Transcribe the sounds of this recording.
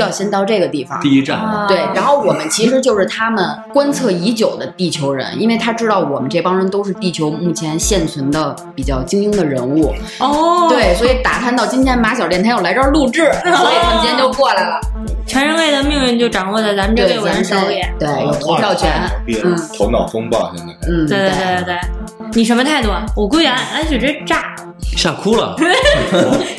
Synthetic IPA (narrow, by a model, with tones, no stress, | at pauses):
jʊɕjɛ˥nt̪ɑ˥˧ʊʈ͡ʂɤ˥˩ɡə˩t̪i˥˩fɑ̰˨˩ŋt̪i˥˧i˥ʈ͡ʂa˥˩nt̪we˥˩ɪɻa˧˥nxo˥˩ʊwɔ˨˩mə˦nt͡ɕʰi˧˥ʂ̬ɻ̩˧˥t͡ɕjo˥˧ʊʂɻ̩˥˩t̪ʰa˥mə˨nkwa˥nt͡sʰɤ˥˩i˧˥t͡ɕjo˨˩ʊd̪ə˦t̪i˥˩t͡ɕʰjo˧˥ʊɻə̰˧˥nḭ˥nwe˥˩ɪt̪ʰa˥ʈ͡ʂɻ̩˥t̪ɑ˥˩ʊwɔ˨˩mə˦nʈ͡ʂe˥˩bɑ˥nɻə˧˥nt̪o˥ʊʂɻ̩˥˧t̪i˥˩t͡ɕʰjo˧˥ʊmu˥˩t͡ɕʰjɛ˧˥nɕjɛ˥˩nt͡sʰwə˧˥nd̪ə˧ | pi˨˩t͡ɕjɑ˥˩ʊt͡ɕi˥ŋi˥ŋd̪ə˨ɻə˧˥nu˥˩ | ɔ˥t̪we˥˩ɪswɔ˧˥i˨˧˥t̪a̰˨˩t̪ʰnt̪ɑ˥˧˩ʊt͡ɕi˥nt̪ʰjɛ˧˥nma˧˥ɕjɑ˨ʊljnt̪ʰjo˨˩la˧˥ɪʈ͡ʂə˥˧lu˥˧ʈ͡ʂɻ̩˥˩swɔ˧˥i˨˩a˥˩nʰ˥jɛ˧˥t͡ɕjo˥˧ʊkwɔ˥˩la˧˥ɪlə˩ | ʈ͡ʂʰɛ˧˥nɻə˧nle˥˩ɪd̪ə˩mi˥˧ŋy˥˧nt͡ɕjo˥˩ʊʈ͡ʂɑ˨˩ŋwɔ˥˧t͡sa˥˩t͡sa˧˥mə˧ʈ͡ʂə˥˧˩e˥˩˨ʂɑ˥ʊjɛ˧˩t̪we˥˩ɪjo˨˩t̪ʰo˧˥jɑ˥˩ʊt͡ɕʰɥɛ˧˥nn˥˧n̩˥˩t̪ʰʊ˧˥ŋnɑ˨˩ʊfɤ˥ŋpɑ̰˥˩ʊʂə˥˩˧n̩˥˩we˧t̪ʰt̪e˥˧t̪we˥˩ɪ | ni˨˩ʂ̬ə˧˥nmə˧t̪ʰa˥˩ɪt̪wɔ˥˧˩wɔ˨˩k̬we˥jɛ˧˥na˥˩ʔa˧˥t͡ɕy˨˩ʈ͡ʂə˥˩˥ʈ͡ʂa˥˩ | ɕa˥˩kʰu˥lə̰˨˩